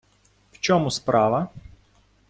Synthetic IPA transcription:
wt͡ʃɔmuspɾɑʋɐ

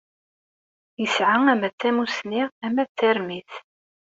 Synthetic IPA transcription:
jəsʕaŋæmæt͡sːæmusniʁæmæt͡sːæɾmiθ

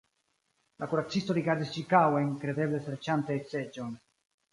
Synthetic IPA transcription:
lʔakuɾat͡sːist̪oɾiɡaɾd̪ist͡ʃikawemkɾe̞d̪eblesɾet͡ʃant̪esed͡ʒon

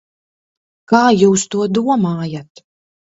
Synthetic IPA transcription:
kaːjuːst̪uɔd̪uɔmaːjat̪

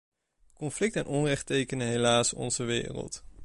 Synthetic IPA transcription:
kɔnflɪk̚tɛnʔɔnrɛχtejkənəɦejlaːsɔ̰nzəʋɪ̰ːrə̰lˠt

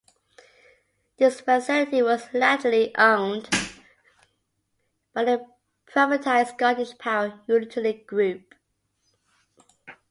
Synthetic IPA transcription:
ðɪsfəsɪlɪtiwɒzladliʔõʊ̃nd | b̥aɪə | pʰɹ̥aɪvətʰaɪsɡɑdɪʃpʰaʊəjunt͡ʃʰəliɡ̥ɹʉp

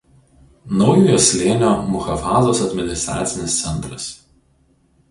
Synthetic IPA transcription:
nɒʊjoːjosʲlʲeːnʲoːmʊxɐfaːzoːsɐd̪ʲmʲɪnʲɪst̪ɾa̰ːt̪sʲɪnʲɪst̪sʲɛnˑt̪ɾɐs

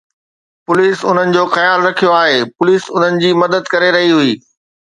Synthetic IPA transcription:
pʊliːsʊn̤ənɪ̆d͡ʑoːxɐjaːlɾɐkʰijoaːɦeːpʊliːsʊn̤ənɪ̆d͡ʑiːmɐd̪əd̪kɐɾeɾɐɦiɦʊiː

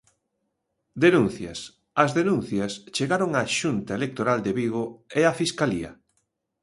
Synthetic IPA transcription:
d̪enũn̟θjɐ̰s | ɐzðenũn̟θjɐst͡ʃeɣaɾoŋaʃunt̪aelek̚t̪oɾald̪eβiɣ̞oeafiskaliɐ̰

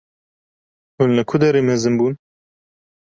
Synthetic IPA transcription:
hʊnlɨkʰʊd̪ɛɾeːmɛzɨnbuːn

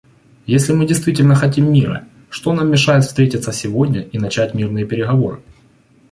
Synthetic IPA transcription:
jesʲlʲɪmɨdʲɪjst̪vʲitʲɪlʲnəxɐt̬ʲimːʲiɾə̰ | ʂt̪o̞namːʲɪʂajɪt̪fst̪ɾʲetʲɪt̪səsʲɪvo̞dʲnʲəʔinɐt͡ɕætʲmʲirnɨjəpʲɪɾʲɪɣɐvo̞̰ɾɨ̰

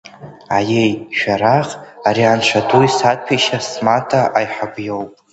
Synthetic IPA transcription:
ajejʃᶣaɾaχaɾiant͡ʃʷʰadujsat̚pʰiʃasmatʰaʔajħabjowpʼ

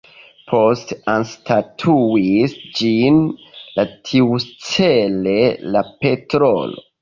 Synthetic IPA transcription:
pʰo̞stanstʰatʰuisd͡ʒinlatʰiust͡sele̞lape̞tɾo̰lo̰

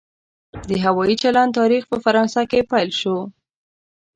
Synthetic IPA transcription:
d̪əɦawɑjit͡ʃalan̚t̪ɑɾixpəfaɾɑnsakepajlʃo

